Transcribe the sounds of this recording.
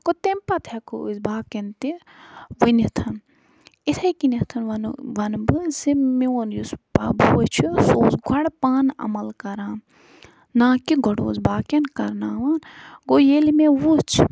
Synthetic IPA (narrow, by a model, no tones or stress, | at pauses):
kot̪empɐt̪ʰekɨizbaːkent̪i | ʋɐnit̪ʰɐn | it̪ʰɐjkinɐt̪ʰɐnʋɐnʋɐnbɨsimewonjuspa̰buwɐt͡ʃʰusoːzɡʱɐɽpaːnɐ̰mɐlkɐɾaːn | nãːkiɡɐɽo̰ːzbaːkenkɐɾnaːʋaːnɡojelimeʋut͡ʃʰ